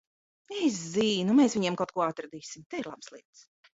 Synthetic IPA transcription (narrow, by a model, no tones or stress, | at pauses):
es̬ziːnumɛːsviɲɛmkawt̪̚kuɔat̪ɾad̪iːsimt̪ɛiɾlˠabslˠiɛt̪s